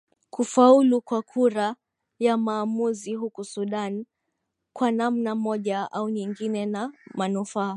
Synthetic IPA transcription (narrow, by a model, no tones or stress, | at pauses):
kufaulukwakʰuɾa | jamaːmuziɦukusuɗan | kwanamnamɔʄaʔauɲiŋɡinɛnamanufaː